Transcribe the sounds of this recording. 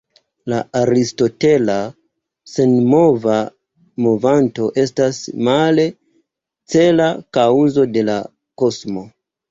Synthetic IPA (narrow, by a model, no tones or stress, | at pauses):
laaɾisto̞te̞la | se̞nmo̞va | movanto̞ʔe̞stasmale̞ | t͡se̞lakawzo̞de̞la̰ | ko̞smo̞